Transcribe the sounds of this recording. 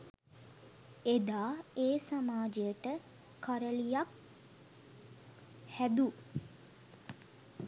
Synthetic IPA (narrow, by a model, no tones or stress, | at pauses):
ed̪aːeːsamaːd͡ʒejəʈə | kːaɾəlijak | hæd̪u